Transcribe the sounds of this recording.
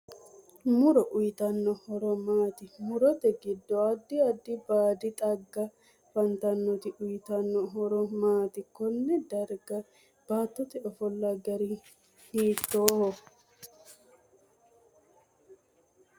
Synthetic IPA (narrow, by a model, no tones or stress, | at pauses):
mʊɾɔʔʊjɪt̪ɐnːɔhɔɾɔmaːt̪ɪmʊɾɔt̪ɛɡɪd̪ːɔɐd̪ːɪɐd̪ːɪbaːd̪ɪt̪ʼɐɡːɐ | fɐnt̪ɐnːɔt̪ɪʔʊjɪt̪ɐnːɔɦɔɾɔmaːt̪ɪkɔnːɛd̪ɐɾɡɐ | b̥aːt̪ːɔt̪ɛɔfɔlːɐɡɐɾɪ | hiːt̪ːoːhɔ